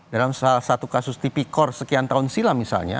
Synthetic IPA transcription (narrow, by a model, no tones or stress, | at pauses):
dalamsalahsat̪ukasʊst̪ipikɔrsəkiant̪aɦʊnsilamisa̰lɲa̰